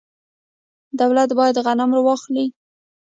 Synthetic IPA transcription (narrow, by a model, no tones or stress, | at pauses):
d̪awlat̪bɑjad̪ɣanamɾawɑxli